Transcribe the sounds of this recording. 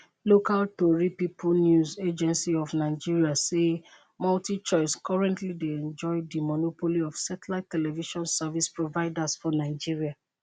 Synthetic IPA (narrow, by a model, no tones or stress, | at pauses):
lokaltoɹipipʰunjuzed͡ʒɛ̃nsiɔfnaɪd͡ʒiɹiase | maltit͡ʃɔɪskɔɹɛ̃ntlideɛ̃nd͡ʒɔɪdimɔnopoliɔfsɛtlatːɛlɛviʃɔ̃nsavispɹovaɪdasfɔnaɪd͡ʒiɹia